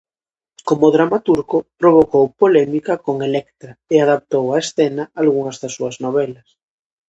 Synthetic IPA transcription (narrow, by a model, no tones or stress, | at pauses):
komoðɾamat̪uɾkopɾoβ̞okowpolɛmikakoŋelɛkt̪ɾaeaðap̚t̪owaesθenaalɣuŋazðasːuaznoβɛlas